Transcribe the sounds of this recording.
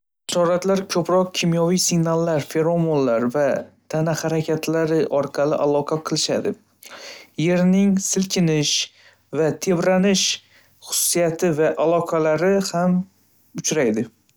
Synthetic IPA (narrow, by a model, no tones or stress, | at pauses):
ʃɒɾat̪laɾkʲʰɵpɾɒq̚kʲʰimjɒvijsɪɡnalˠːaɾfeɾomonlaɾvat̪ʰanahaɾakʲʰat̪ʰlaɾɪʔɒɾqʰɑlɪʔalˠɒqʰɑqʰɨlˠɪʃad̪ɪ | je̞ɾnɪŋsɪlkʲʰɪnɪʃ | vat̪ʰe̞bɾanɪʃ | χʊ̥sʊ̥sːijat̪ʰɪvaʔalˠɒqʰɑlaɾɪham | ʊt͡ʃɾajd̪ɪ